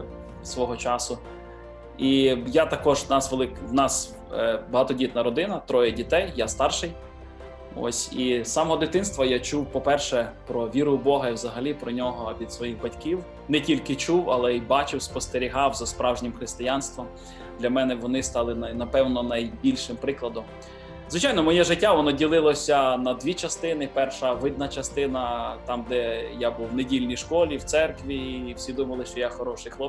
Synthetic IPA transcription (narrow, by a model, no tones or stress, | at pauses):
sʋɔɦɔt͡ʃɑsʊ | ijat̪ɐkɔʒnɑsʋelˠɪkwnɑs | bɐɦɑt̪ɔdʲit̪nɐɾɔd̪ɪnɐt̪ɾɔjɛdʲit̪ɛjːast̪ɑrʃɪj | ɔ̰sʲisɑmɔɦɔd̪ɪt̪ɪnst̪ʋɐjat͡ʃuwpɔpɛrʃɛpɾɔʋʲiɾʊʊbɔɦɐiwzɐɦɐlʲipɾɔnʲɔɦɔʋʲid̪sʋɔjixbɐtʲkiw | nɛtʲilʲkɪt͡ʃuwɐlˠɛibɑt͡ʃɪwspɔst̪eɾʲiɦɑwzɐspɾɑwʒnʲɪmxɾɪst̪ɪjɑnst̪ʋɔm | d̪lʲɐmɛnɛʋɔnɪst̪ɑlˠɪnnɐpɛwnɔnɐjbʲilʲʃɪmpɾɪklˠɐd̪ɔm | zʋɪt͡ʃɑjnɔmɔjɛʒɪtʲːaʋɔnɔdʲilˠɪlˠɔsʲɐnɐd̪ʲʋʲit͡ʃɐst̪ɪnɪpɛrʃɐʋɪd̪̚nɐt͡ʃɐst̪ɪnɐt̪ɑmd̪ɛjabuwnedʲilʲnʲijʃkɔlʲiwt̪sɛrkʋʲiːw̥sʲid̪umɐlˠɪʃt͡ʃɔjaxɔɾɔʃɪjxlˠɔ